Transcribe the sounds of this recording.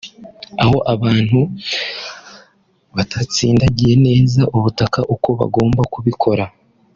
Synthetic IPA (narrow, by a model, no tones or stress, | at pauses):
aho̞ʔaβaːn̥hu | βatʰat͡siːndaɟije̞ne̞ːzaʔuβutakaʔuko̞βa̰ɡo̞ːmbakuβikʰo̞ɾa